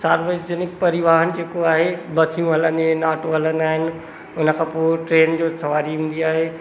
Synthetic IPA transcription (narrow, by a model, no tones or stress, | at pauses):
saːɾʋesd͡ʑɪnɪkpɐɾɪʋaːɦənɪ̆d͡ʑeːkoaːɦebɐtʰijũɦɐlə̃nd̪enaːʈoɦɐlə̃nd̪aːɦɪnɪ̆ | ʊnəkʰãːpoːɦɪʈɾeːnd͡ʑoːsɐʋaːɾiɦũːnd̪iaːɦeː